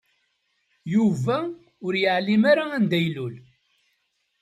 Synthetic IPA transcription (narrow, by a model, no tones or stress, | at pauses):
juvæ | ʊɾjəʕlimaɾaænd̪æjlul